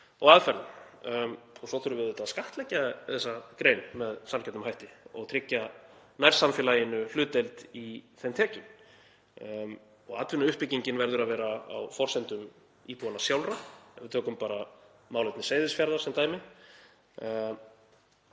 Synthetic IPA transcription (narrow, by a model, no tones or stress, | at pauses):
ɔɣaðfɛɾl | ɔsɔθʏɾʏvɪðʏt̪aðskaht̪lɛcːaðɛsːakɾeːjnmɛðsamcɛt̪ʏmɦajht̪ɪɔ̰ɣt̪ʰɾɪcːanajɾ̥samfjɛːlajɪnʏl̥ʏːt̪ejlt̪iθɛnt̪ʰɛːcʏn | ɔ̰ɣaːt̪vɪnʏʏhpɪciɲcɪnvɛɾðʏɾaðvɛːɾaa̰wfɔr̥sɛnt̪ʏm | iːpuanasjawlrɾavɪt̪ʰœːkʏmpaːɾa | maːwlejt̪nɪseːjðɪsfjaɾðḁsɛmt̪aːjmɪn